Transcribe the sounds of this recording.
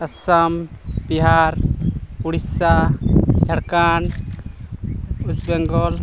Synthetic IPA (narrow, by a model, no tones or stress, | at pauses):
ɐsambiɦaɾuɽisad͡ʒʱɐɽkan | usbɛŋɡɔl